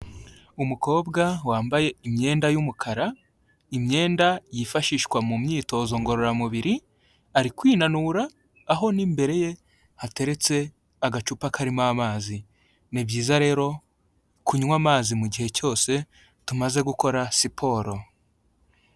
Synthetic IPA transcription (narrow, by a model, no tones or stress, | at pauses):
umuko̞ːbɡawaːmbaje̞imɲe̞ːndajumukʰaɾa | imɲe̞ːndajifaʃiːʃkwamumɲiːto̞zo̞ŋɡo̞ɾo̞ɾamuβiɾi | aɾikwiːnanuːɾaː | ɦo̞nimbe̞ɾe̞je̞ | hate̞ɾe̞t͡se̞ | aɡat͡ʃupakʰaɾimamaːzi | nibɟiːzaɾe̞ːɾo̞ | kuɲwaːmaːzimuɟihe̞co̞ːse̞ | tumaze̞ɡuko̞ɾasipʰo̞ːɾo̞